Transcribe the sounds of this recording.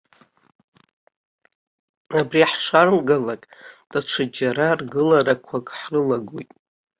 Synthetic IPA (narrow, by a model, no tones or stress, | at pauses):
abriħʂarmɡalakʼd̥aʈ͡ʂʷʰad͡ʒaɾarɡɨlaɾakʷʰakʼħrɨlaɡojtʼ